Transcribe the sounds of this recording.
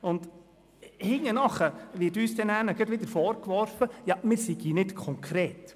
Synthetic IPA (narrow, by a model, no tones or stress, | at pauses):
ʊnd̪ | hɪŋənɑχəʋɪtyːsd̪ɛnæːnəɡədʋɪd̪əɾfɔːɾkʋɔɾfəjɑmɪːɾsiɡ̥hiːnɪtkʰɔŋkʰɾeːt